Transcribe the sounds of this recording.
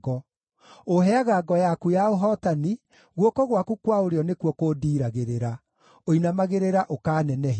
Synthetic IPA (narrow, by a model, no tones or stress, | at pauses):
ɔ | oɦɛaɣaːɡɔjakujaoɦɔtani | ɣwɔkɔɣwakukwaoɾeɔnekwɔkoːdiːɾaɣeɾeɾa | oinamaɣeɾeɾaʔokaːnɛnɛɦ